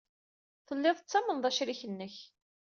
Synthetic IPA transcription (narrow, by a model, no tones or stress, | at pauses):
θəlːɪðˤət͡sːæmənðˤæʃɾiçənːəç